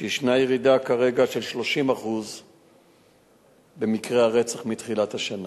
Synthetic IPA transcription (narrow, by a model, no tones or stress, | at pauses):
ʃiʃnajeʁidakaʁe̞ɡaʃe̞lʃlo̞ʃimaχuz | be̞mikʁeaʁe̞t͡saχmit̪χilat̪haʃana